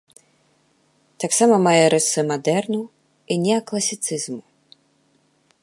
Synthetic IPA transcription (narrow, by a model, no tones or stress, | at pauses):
t̪aksamɐmajɛɾɛt̪sɨmad̪ɛrnu | inʲɛɐklˠɐsʲit̪sɨzmu